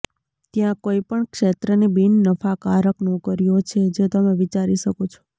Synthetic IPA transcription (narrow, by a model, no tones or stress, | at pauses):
t̪jãkoipəɳkʃet̪ɾənibinːəfakaɾəknũkəɾijot͡ʃʰed͡ʒet̪əmẽʋit͡ʃaɾiʃəkot͡ʃʰo̥